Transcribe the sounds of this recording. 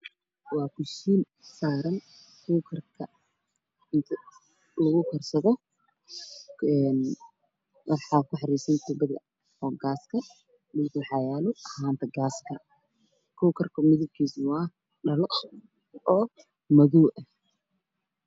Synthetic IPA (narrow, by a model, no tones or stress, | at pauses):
wɑːkʰʊʃiːn | saːɾɐn | kʰuːkʰɐrkʰɐ | ɪnt̪ʰɐ | lɐɣʊkʰɐrsɐðɔ | ɛːn | wʔɑħɑkʰʊħɑɾiːsɐnt̪ʰʊbɐðɐ̰ | ɔːɡaːskʰɐ | mɪlkwħɑjaːlʊɐhaːnt̪ʰɐɡaːskʰɐ | kʰuwkʰɐrkʰɐmɪðʊb̚kʰiːsmʊa | ɖɐlɔ | ʔɔː | mɐðɔːʔɐ